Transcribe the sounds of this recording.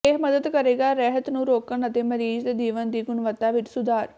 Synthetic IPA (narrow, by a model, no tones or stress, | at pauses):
eɦməd̪əd̪kəɾeːɡaːɾɛːɦət̪nũːɾoːkənət̪eːməɾiːd͡ʒd̪eːd̪iːʋənd̪iːɡʊnʋət̪ːaːʋɪt͡ʃsʊd̪aːɾ